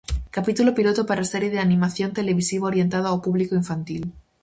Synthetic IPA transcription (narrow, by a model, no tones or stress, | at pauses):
kapit̪ulopilot̪opaɾaseɾjeðeanĩmaθjo̞nt̪eleβisiβaoɾjent̪aðoawpuβlikoiɱfant̪il